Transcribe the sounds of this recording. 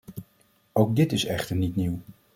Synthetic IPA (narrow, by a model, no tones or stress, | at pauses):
owk̚dɪtɪsɛχtəɹnitniw